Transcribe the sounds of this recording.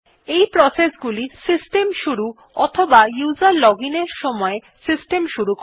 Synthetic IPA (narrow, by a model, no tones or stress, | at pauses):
ejpɾɔsesɡulisisʈemʃuɾu | ɔt̪ʰobajuzaɾlɔɡineɾʃɔmɔe | sisʈemʃuɾuk